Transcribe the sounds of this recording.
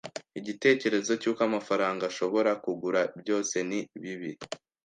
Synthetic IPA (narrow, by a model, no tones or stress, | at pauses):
iɟite̞ːce̞ɾe̞zo̞cuːkamafaɾaːŋɡaʃo̞βo̞ɾakuɡuɾabjo̞ːse̞niβiβi